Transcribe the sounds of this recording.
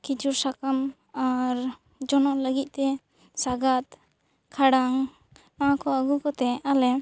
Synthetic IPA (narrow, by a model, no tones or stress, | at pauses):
kid͡ʒuɾsakam | aɾ | d͡ʒɔnɔʔləɡit̪̚ˀt̪ɛ | saɡat̪ | kʰaɽaŋ | naakʰɔəɡukɔt̪ɛalɛ